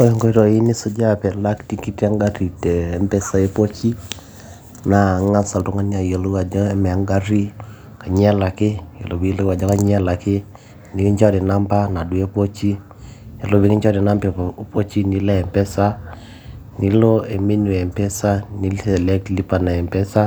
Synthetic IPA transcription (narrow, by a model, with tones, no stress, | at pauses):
ɔ˦jɔ˨ŋkɔ˦i˦ɾɔ˨i˦ni˦sʊ˦d͡ʒa˦pɛ˨la˦kti˦ki˦ti˦a˦ŋɡa˦ɾi˨teː˨mpɛ˦sa˦e˦po˦t͡ʃi˦ | na˨ŋa˦sa˨ltu˦ŋa˦ni˦a˨jo˨lwa˨d͡ʒɔ˦e˦mɛ˨a˨ŋɡa˦ɾi˦ | ka˨ɲɛ˦la˨kɪ˦jo̰˨lo˨wi˦lwa˨d͡ʒɔ˦ka˦ɲɛ˦la˨kɪ˦ | ni˨ki˦ɲt͡ʃɔ˦di˨na˦mpa˦na˨dwe˦po˦t͡ʃi˦ | e˨lo˦bi˦ki˦ɲt͡ʃɔ˦di˨na˦mpɛ˨po˦t͡ʃi˦ni˦lɛ˦ɛ˨mpɛ˦sa˦ | ni˦lo˦e˨me˦nu˨ɛ˨mpɛ˦sa˦ni˦lɛ˨lɛ˦kli˦pa˨na˨ɛ˨mpɛ˦sa˦